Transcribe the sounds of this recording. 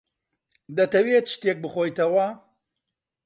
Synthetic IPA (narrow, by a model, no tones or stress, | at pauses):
d̪ɐt̪ɐwet̪ʃt̪ek̚bɨχoːjt̪ʰɐwɐ